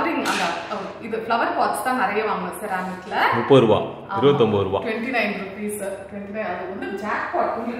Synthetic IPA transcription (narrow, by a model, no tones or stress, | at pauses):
ɾiŋɡɐnd̪aːɐɪðɯflɐʋɐɾpaːʈst̪ãːnɛɾɐjɐʋaːŋɡɐsɐɾaːnɐt̪ːɪlɐmʊpːɐɪɾɯʋã̰ː | aɪɾɯbɐt̪ːɔmbɐɪɾɯʋã̰ːʈʋɛɳʈinɐɪnɡɾupiːsʈʋɛɳʈinɐɪnɐðɯɔnd̪ɯd͡ʒaːk̚paːʈ̚kʊ